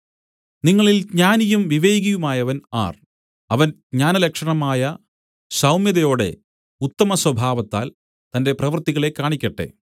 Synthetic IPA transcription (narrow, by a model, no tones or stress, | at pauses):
niŋːɐɭilɡɲaːnijumʋiʋeːɣɐjumaːjɐʋɐna̰ːr | ɐʋɐn | ɲaːnɐlɐkʂɐɳɐmaːjɐ | ɕɐwmjɐðɐjo̞ːɽe̞̰ | ut̪ːɐmɐswɐbʱaːʋɐt̪ːaːl | t̪ɐnde̞prɐʋɐrt̪iɣɐɭe̞kːaːɳikʲːɐʈːḛ